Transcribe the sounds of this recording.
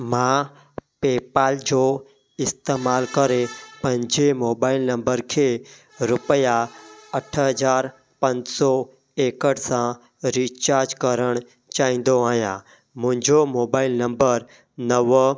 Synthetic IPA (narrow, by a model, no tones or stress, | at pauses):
mã | peːpaːld͡ʑo | ɪst̪eːmaːlkəɾepə̃ɲd͡ʒemoːbaːɪlnə̃mbəɾkʰeː | ɾʊpəjaəʈʰɦəzaːɾ | pə̃ɲd͡ʒsɔ | eːkəɽsã | ɾiːt͡ʃaːɾd͡ʒkəɾəɽ̃ | t͡ʃaːĩːn̆d̪oaːɦjã | mʊ̃ɦɪ̃ɲd͡ʒomoːbaːɪlnə̃mbəɾ | nəʋ